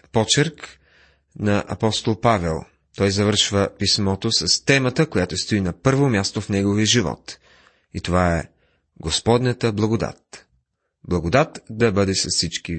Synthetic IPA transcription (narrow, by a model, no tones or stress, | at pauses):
pɔt͡ʃɛɾk | nɐʔɐ̰pɔst̪olˠpavɛ̰lˠ | t̪ɔjzɐvəɾʃvəpismɔt̪osɐst̪ɛmət̪əkojat̪ost̪oinɐpɤɾvomʲjast̪ofnɛɡoviəʒivɔ̰t̪ | it̪ovaɛ | ɡospɔd̪nət̪əblˠɐɡod̪a̰t̪ | blˠɐɡod̪at̪d̪ɐbɤd̪ɛsɐssit͡ʃki